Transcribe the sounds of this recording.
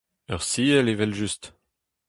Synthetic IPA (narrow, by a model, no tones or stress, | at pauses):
œʁsiəlevɛlʒyst̪